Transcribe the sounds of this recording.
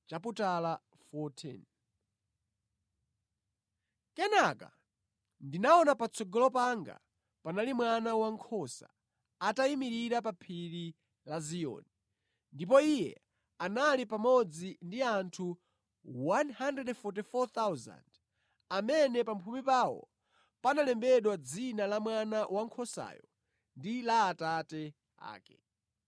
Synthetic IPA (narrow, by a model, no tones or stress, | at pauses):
t͡ʃaputala | fɔtʰḭn | kɛnaka̰ | ndinaɔnapat͡sʰɔɡɔlɔpaŋɡa̰ | panalimwanawaŋkʰɔsa̰ | ataimiɾiɾap̬apʰiɾi | lazijɔ̰ni | ndipɔijɛ̰ | analipamɔd͡zindiantʰu | wanhandɛdfɔt̬ifɔt̪awza̰nd | amɛnɛpampʰumipaːwɔ̰ | panalɛmbɛɗwad͡zinalamwanawʔaŋkʰɔsa̰ːjɔ | ndilaːtatɛ | a̰ːkɛ̰